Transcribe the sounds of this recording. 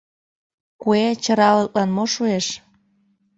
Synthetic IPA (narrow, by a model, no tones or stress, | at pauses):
kuet͡ɕə̆ɾɑlət̪̚lɑnmoʃueʃ